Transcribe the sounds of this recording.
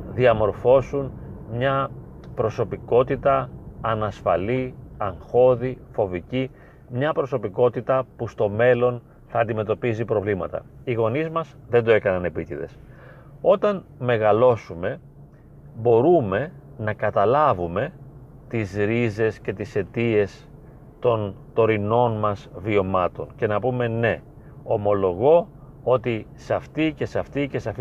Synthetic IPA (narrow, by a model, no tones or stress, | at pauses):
ðiɐmo̞ɾfo̞sunmɲɐ | pɾo̞so̞piko̞t̪it̪ɐːnɐsfɐliɐŋxo̞ðifo̞vici | mɲɐpɾo̞so̞piko̞t̪it̪ɐpust̪o̞me̞lo̞n | θɐːnd̪ime̞t̪o̞pizipɾo̞vlimɐt̪ɐ̰ | iɣo̞nizmɐz | ðe̞nd̪oe̞kɐnɐne̞pic̪eðe̞̰s | o̞t̪ɐnme̞ɣɐlo̞sume̞ | bo̞ɾume̞ | nɐkɐt̪ɐlɐvume̞ | t̪izɾize̞sce̞t̪ise̞t̪ie̞s | t̪o̞nt̪o̞ɾino̞nmɐzvio̞mɐt̪o̞̰nce̞nɐpume̞ne̞ | o̞mo̞lo̞ɣo̞ | ot̪isɐft̪ice̞seɐft̪ice̞seɐf